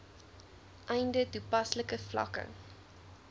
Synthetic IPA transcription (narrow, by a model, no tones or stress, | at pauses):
ʔɛjndətupɐsləkəflɐ̰kə̰